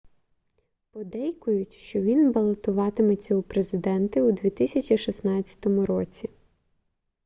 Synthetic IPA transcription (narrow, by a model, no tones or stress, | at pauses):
pɔd̪ɛjkʊjʊtʲʃt͡ʃɔʋʲinbɐlˠɔt̪ʊʋɑt̪ɪmet͡sʲːɐʊpɾezɪd̪ɛnt̪ɪʊd̪ʋʲit̪ɪsʲɐt͡ʃʲiʃisnɑt͡sʲːɐ̥t̪ɔmʊɾɔt͡sʲi